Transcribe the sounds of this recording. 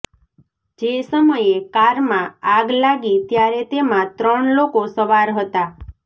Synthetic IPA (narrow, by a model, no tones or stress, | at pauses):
d͡ʒesəməjekaɾmãaɡlaɡit̪jaɾet̪emãt̪ɾəɳlokosəʋaɾɦət̪a